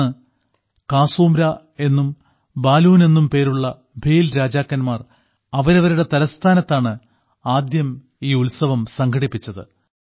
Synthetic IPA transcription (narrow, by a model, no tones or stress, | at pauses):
ɨ | kaːsuːmɾa | e̞nːum | baːluːne̞nːumpe̞ːɾuɭːɐ | bʱejlɾaːd͡ʑaːkːɐnmaːr | ɐʋɐɾɐʋɐɾuɽe̞t̪ɐɾɐst̪ʰaːnɐt̪ːaːɳɨ | aːd̪jɐm | iːulsɐʋɐmsɐŋkʰɐɽipːit͡ɕːɐðɨ̰